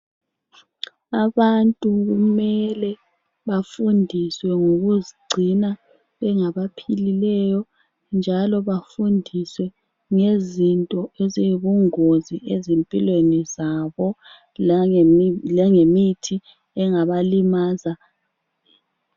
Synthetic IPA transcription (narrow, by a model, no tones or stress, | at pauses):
aβantʼuɣumɛlɛ | βafundʱiswɛŋoɣuziɡ͡ǀʱina | βɛŋaβapʰililɛjɔ | nd͡ʒʱalɔβafundʱiswɛ | ŋezintʼɔeziiβuŋoziʔezempʼilwenizaβɔ | lɛŋemitʰi | ɛŋaβalimaːza